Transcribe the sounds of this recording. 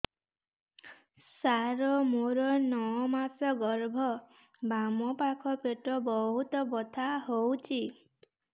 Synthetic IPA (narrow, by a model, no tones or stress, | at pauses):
saɾɔmoɾɔnɔɔmasɔɡɔɾbʱɔ | bamɔpakʰɔpeʈɔbɔɦut̪ɔbɔt̪ʰaɦowt͡ʃʰi